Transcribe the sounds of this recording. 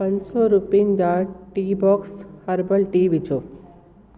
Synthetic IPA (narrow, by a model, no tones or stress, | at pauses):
ɐnsɔɾupind͡ʒaʈibɔːkshɐɾbəlʈiːbit͡ʃo